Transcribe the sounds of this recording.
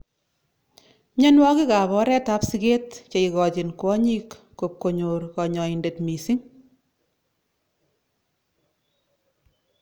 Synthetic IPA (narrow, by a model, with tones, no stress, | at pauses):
ɲɛ˦nwɔ˦kɪ˦ka˨βɔ˦ɾɛ˦ta˦psi˦ke˦tt͡ʃe˨iɣɔ˨t͡ʃi˨nkwɔ˦ɲi˦kːo˨p̚ko˨ɲo˨ɾkɔ˨ɲɔ˨inde˨tmi˨si˦ŋ